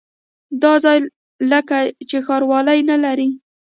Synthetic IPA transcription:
d̪ɑzɑj | ləkat͡ʃexɑɾwɑlajnalaɾi

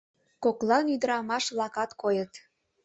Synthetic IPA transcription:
koklɑnyd̪əɾɑmɑʃblɑkɑt̪kojət̪

